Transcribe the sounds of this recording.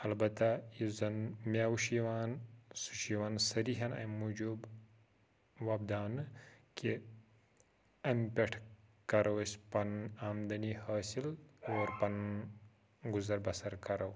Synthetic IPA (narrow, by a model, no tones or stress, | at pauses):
ɐlbɐt̪ajizɐnmʲjaːwʃiwaːnsuʃiwaːnsɐɾiɦɐnɐ̰jmːud͡ʒub | wɐb̚d̪aːnke | ɐmpeʈʰkɐɾɐwɐspɐnaːmd̪ɐnihaːsiloːɾpɐn | ɡuzɐɾbɐsɐɾkɐɾɐw